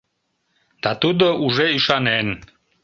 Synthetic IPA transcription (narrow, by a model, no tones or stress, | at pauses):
d̪̥at̪ud̪ouʒeiʃɑnen